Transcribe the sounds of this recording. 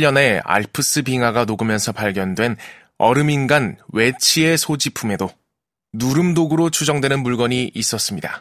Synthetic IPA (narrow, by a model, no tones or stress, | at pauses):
ʎːʌne̞a̰ɭpʰɯs͈ɯbiŋwaɡanoɡɯmjʌnsʰʌpaɭɡjʌndwe̞n | ʌ̰ɾɯminɡanwe̞t͡ɕʰie̞sʰod͡ʑipʰume̞do | nuɾɯmdoɡɯɾot͡ɕʰud͡ʑʌŋdwe̞nɯnmuɭɡʌɲiʔːs͈ʌs͈ɯmɲida